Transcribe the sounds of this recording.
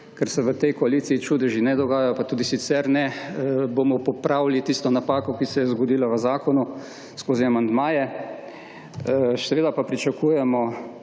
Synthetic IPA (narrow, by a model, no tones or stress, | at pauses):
kɛɾsɛʋət̪ɛjkɔaliːt̪siit͡ʃuːd̪ɛʒinɛd̪ɔɡaːjajɔpat̪uːd̪isit̪sɛɾnɛbomɔpɔpɾawlit̪ist̪ɔnapaːkɔkisɛjɛzɡɔd̪iːlaʋəzaːkɔnu | skoːziamand̪maːjɛ | sɛʋeːd̪apapɾit͡ʃakuːjɛmɔ